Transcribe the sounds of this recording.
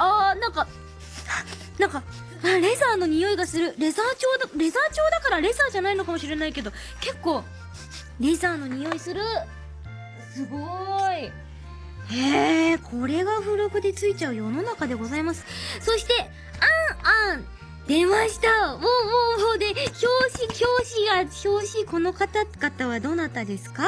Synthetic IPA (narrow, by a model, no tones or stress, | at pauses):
aːnãŋka | nãŋka | ãɾe̞zaːno̞ɲ̟ijo̞iɡasɨɾɯ̟ɾe̞zaːt͡ɕo̞ːd̪ɾe̞zaːt͡ɕo̞ːd̪akaɾaɾe̞zaːʑanaino̞kamo̞ɕiɾe̞naike̞d̪o̞ | ke̞kːo̞ː | ɾe̞zaːno̞ɲ̟ijo̞isɨɾɯ̟ | sɨɡoi | hekʰo̞ɾe̞ɡaɸɯ̟ɾo̞kɯ̟d̪e̞t͡sɨit͡ɕaɯ̟jo̞no̞nakad̪e̞ɡo̞zaimasɨ̥so̞ɕi̥t̪e̞ | ãã | d̪e̞maɕi̥t̪amoːmoːmod̪e̞ço̞ːɕiço̞ːɕiɡaço̞ːɕiko̞no̞kat̪aɡat̪aβad̪o̞ːnat̪ːand̪e̞sɨ̥ka